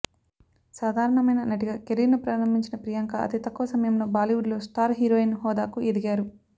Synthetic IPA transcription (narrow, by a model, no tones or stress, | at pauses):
saːd̪ʱaːɾɐɳɐmɐjnɐnɐʈiɡaːkeɾinupɾaːɾɐmbiɲt͡ʃinɐpɾijaŋkɐɐ̰t̪it̪ɐkːuʋɐsɐmɐjɐmlo̞ːbaːliʋuɖlo̞ːsʈaːɾɦiːɾoːinhɔːd̪aːkuʔed̪iɡaːɾu